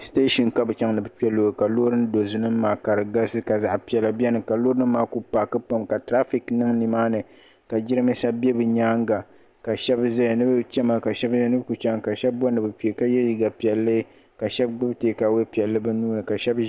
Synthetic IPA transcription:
ste˦ʃi˨nka˦bɨ˨t͡ʃa˦ŋnɨ˨bɨ˦pi˦ɛ˦loː˨ka˨loː˦ɾɨ˦n˦do˨zu˨nɨ˦m˦maː˨ka˨ɾɨ˨ɡa˦sɨ˦ka˨za˨ʔpi˦ɛ˨la˦bjɛ˦nɨ˨ka˨loː˦ɾɨ˦maː˨˦ku˦pa˨kɨ˦pa˦mka˨tɾa˦fi˨knɨ˦ŋni˨maː˦nɨ˨ | ka˨d͡ʒɪ˦ɾɨ˦mɨ˦sa˦bɛ˦bɨ˨ɲaː˦ŋɡa˨ | ka˨ʃɛ˦bza˦jnɨ˦bɨ˦t͡ʃɛ˦ma˦ka˨ʃɛ˦bnɨ˦bku˨t͡ʃa˦ŋ˨ka˨ʃɛ˦bbɔ˦nɨ˨bɨ˨pi˨e˨ka˦jɛ˦ji˨ɡa˨pi˨ɛ˨lːɨ˦ | ka˨ʃɛ˦b̚ɡ͡bɨ˦teː˨˦ka˨we˦pi˨ɛ˨lːɨ˦bɨ˦nuː˦nɨ˨ka˨ʃɛ˦b

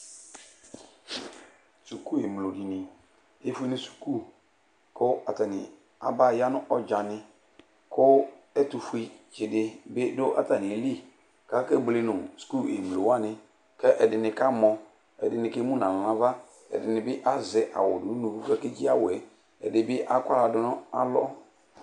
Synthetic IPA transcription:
su˨ku˦e˨m˨lo˨di˨nɪ̃˨ | e˦fu˦i˦nɪ̃˦su̥˨ku˦ | kʰʊ˦a˨ta˨nɪ˨ | a̰˨ba˦˨ja˦nʊ̃˦ʔɔ˦d͡ʒa˨nɪ̃˦ | kʰʊ˦ɛ˦tʊ˨fu˨˦i˦t͡ʃɪ˨dɪ˦bɪ˦dʊ˦ʔa̰˦ta˨nɪ̃˨e˨li˦˨ | ka˨˦kɛ˦ble˨nʊ̃˨sku˦˨le˨m˨lo˨wa˦˨nɪ̃˦ | kɛ˦ʔɛ˨dɪ˨nɪ̃˨ka˦mɔ̃˨ | ɛ̰˨dɪ˨nɪ̃˨ke˦mũ˦nã˨nã˨lã˦va˦ | ɛ̰˨dɪ˨nɪ̃˨bɪ˦ʔa˦zɪ˨ʔa̰˨wɔ˨dʊ˨˦nũ˨fu˦fɛ˦ke˦d͡ʒi˦a˦wʊ˨ɛ˨ | ɛ˨dɪ˨bɪ˦ʔa˦kʷa˦la˨dʊ˦nʊ̃˦a˦lɔ˦

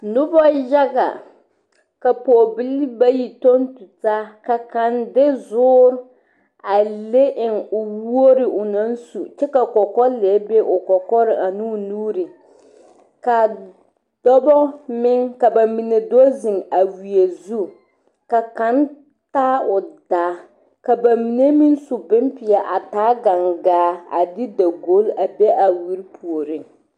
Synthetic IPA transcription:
nʊ˦bɔ˦ja˦ɡa̰˨ | ka˨pɔː˨bɪ˦lba˦ji˨to˦n˦tu˨taː˦ka˨ka˨ndɪ˦zʊː˦ɾ | a˨le˦ʔɪ˨ŋʊ˨wu˦o˦ɾɪ˨ʔʊ˨na˦n˦su˨t͡ʃɛ˦ka˨kɔ˨kɔ˦le˨˦be˦ʔʊ˨kɔ˨kɔ˦ɾɪ˨ʔa˨nuː˦nuː˦ɾɪ˨ | ka˨ | d̥ɔ˦bɔ˦mɪ˦ŋka˨ba˨mi˨ne˨dɔ˦zɪ˨ŋa˨wi˨e˨zu˦ | ka˨ka˦n | taː˦ʊ˨daː˨˦ | ka˨ba˨mi˨ne˦mi˦n˦sʊ˨bɪ˦mpɪ˨a˨ʔa˨taː˦ɡa˨ŋɡaː˨˦a̰˨dɪ˦da˨ɡo˦la˨be˦ʔa˨wi˨˦ɾpʰu˨o˨ɾɪ˦ŋ

